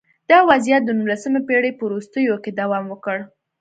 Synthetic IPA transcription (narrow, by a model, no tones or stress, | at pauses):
d̪̥ɑwazjat̪̚d̪ənumlasəmapeɽepəɾust̪əjoked̪awɑmwəkəɽ